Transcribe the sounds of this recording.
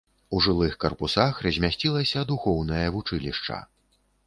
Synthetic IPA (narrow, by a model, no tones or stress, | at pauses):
uʐɨlˠɨxkɐrpusaxrɐzʲmʲasʲt͡sʲilˠɐsʲɐd̪uxɔwnɐjɐvut͡ʂɨlʲiʂt͡ʂɐ̰